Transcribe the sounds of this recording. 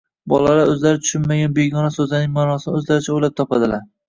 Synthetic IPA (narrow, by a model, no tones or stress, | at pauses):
bɒlalaɾɵzlaɾɪt̪ʰʊ̥ʃɪnmaɡʲanbeɡɒnasɵzanɪŋmaːnɒsɪnɪɵzlaɾɪt͡ʃʰaojlap̚t̪ʰɒpad̪ɪlaɾ